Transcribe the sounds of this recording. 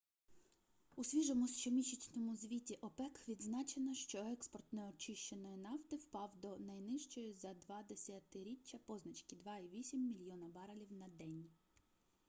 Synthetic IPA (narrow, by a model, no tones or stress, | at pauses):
usʲʋʲiʒɔmʊʃt͡ʃɔmʲit͡ʃit͡sʲnɔmʊzʲʋʲitʲiʔɔpɛkʋʲid̪znɑt͡ʃenɐʃt͡ʃɔɛkspɔrt̪nɛɔt͡ʃɪʃt͡ʃenɔjinɑwt̪ɪwpɑwd̪ɔnɐjnɪʃt͡ʃɔjizɐd̪ʋɑd̪esʲat̪ɪɾʲit͡ʃʲːɐpɔznɐt͡ʃkɪd̪ʋɑiʋʲisʲimːʲilʲjɔnɐbɑɾɐlʲiwnɐd̪ɛnʲ